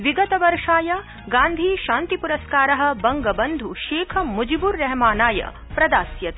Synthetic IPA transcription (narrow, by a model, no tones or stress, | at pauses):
ʋiɡɐt̪ɐʋɐɾʂaːjɐ | ɡaːnd̪ʱiːʃaːnt̪ipuɾɐskaːɾɐɦɐ̆bɐŋɡɐbɐnd̪ʱuʃeːkʰɐmud͡ʒibuɾːɛɦɐmaːnaːjɐ̰ | pɾɐd̪aːsjɐt̪